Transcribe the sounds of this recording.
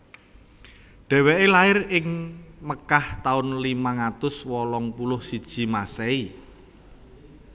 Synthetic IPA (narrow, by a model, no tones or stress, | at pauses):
ɖ̥ɛ̤weʔelaɪrɪŋməkaht̪aʊnlimaŋat̪ʊswɔlɔŋpulʊhsid̥ʒ̥i̤masɛi